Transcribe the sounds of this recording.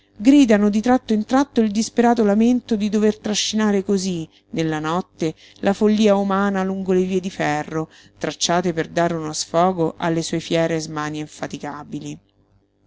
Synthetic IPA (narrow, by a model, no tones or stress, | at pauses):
ɡɾiːd̪anod̪it̪ɾat̪ːoint̪ɾat̪ːoild̪ispeɾaːt̪olament̪od̪id̪overt̪ɾaʃːinaːɾekozi | nelːanɔt̪ːe | lafolːiːaumaːnaluŋɡoleviːed̪ifɛrːo | t̪ɾat͡ʃːaːt̪eperd̪aːɾeunosfɔːɡoʔa̰lːesuːefjɛːɾezmaːneiɱfat̪ikaːbili